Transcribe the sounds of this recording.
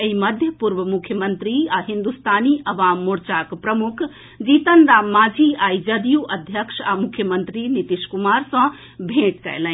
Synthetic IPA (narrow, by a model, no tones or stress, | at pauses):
eiməd̪ʱjəpuɾʋəmukʰjəmənt̪ɾiaɦind̪ust̪ʰaniʔɐʋaːmːuɾt͡ʃakpɾəmukʰ | d͡ʒit̪ənd̪amːaːd͡ʒʱiajd͡ʒəd̪ijuʔəd̪ʱjəkʂamukʰjəmənt̪ɾinit̪iʃkumaɾsɐ̃ | bʱẽʈkɛ̰jlə̃